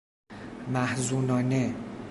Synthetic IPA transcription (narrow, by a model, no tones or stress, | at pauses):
mæhzuːnɒːne